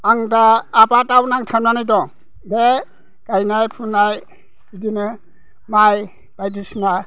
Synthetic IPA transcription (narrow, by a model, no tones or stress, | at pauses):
aŋdaːpatawnaŋtʰananajdɔ | de | kajnajpʰunaj | idinɯ | maj | b̥ajdisna